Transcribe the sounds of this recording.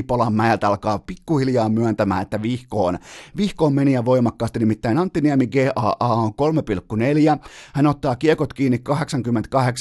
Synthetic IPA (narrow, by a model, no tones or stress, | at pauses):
polɑmːæelt̪ɑlkɑːpikːuhiljɑːmmyœnt̪æmæ̰ːnet̪ːæʋihkoːnʋihkoːmmeniæʋoimɑkːɑːst̪inimit̪ːæinɑnt̪ːiniæmiɡeːʔɑːʔɑːoŋkolmepilkːuneljæhænot̪ːɑːkiekot̪kiːnːikkɑɦeksɑŋkymːent̪kɑheks